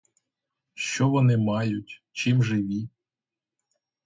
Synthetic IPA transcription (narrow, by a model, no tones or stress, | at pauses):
ʃt͡ʃɔʋɔnɪmɑjʊtʲ | t͡ʃimʒɪʋʲi